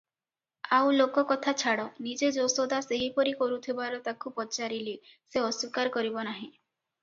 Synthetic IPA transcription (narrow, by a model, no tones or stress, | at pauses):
awlokɔkɔt̪ʰat͡ʃʰaɽɔnid͡ʒed͡ʒosod̪aseɦipɔɾikɔɾut̪ʰibaɾɔt̪akupɔt͡ʃaɾiliseɔswikaɾkɔɾibɔnaɦĩ